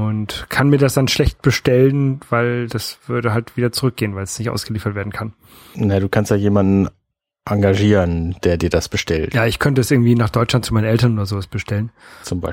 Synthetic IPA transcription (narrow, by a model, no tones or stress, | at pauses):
ʊntkʰanmiːɐdasd̥anʃlɛçt̚b̥əʃtɛlənv̥aɪld̥asv̥ʏɐdəɦaltv̥iːdɐt͡suʁʏk̚ɡ̥eːənvaɪlsnɪçtʔa̰ʊsɡ̥əliːfɐtv̥eːɐdn̩kʰan | najaːduːkʰanstjaːjeːmandn̩ | ʔaŋɡaʒiːʁənd̥eːɐdiːɐdasb̥əʃtʰɛltjaːɪçkʰœntəɛsʔɪɐɡŋ̩tv̥iːnaːχd̥ɔʏt͡ʃlant̚t͡sumaɪnənɛltɐnʔoːdɐzoːvasb̥əʃtʰɛlənt͡sʊmbaɪ